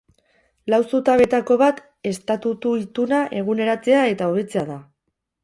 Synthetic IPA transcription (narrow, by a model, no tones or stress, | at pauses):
lawsut̪aβe̞t̪ako̞β̞at̪ | e̞st̪at̪ut̪uit̪unaʔe̞ɣ̞une̞ɾat͡se̞ae̞t̪ao̞β̞e̞t͡se̞aða